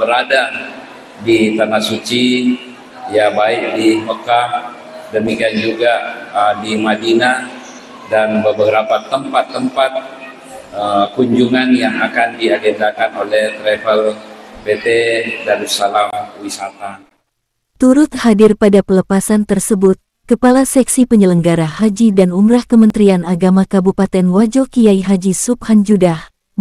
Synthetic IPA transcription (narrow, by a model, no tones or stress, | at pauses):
bəɾada | dit̪anahsut͡ʃi | jabaɪk̚diməkah | dəmikiand͡ʒuɡaədimadina | danbəbəɾapat̪əmpat̪ːəmpat̪̚ | əkuɲd͡ʒuŋanjaŋakandiaɡend̪akanolɛht̪ɾefəlpet̪edaɾusalamwisat̪a | t̪uɾʊt̪̚hadɪrpadapələpasant̪ərsəbʊt̪̚ | kəpalasɛksipəɲələŋɡaɾahad͡ʒidanumɾahkəmənt̪ɾianaɡamakabupat̪ɛnwad͡ʒokijajɦad͡ʒisup̚hand͡ʒudah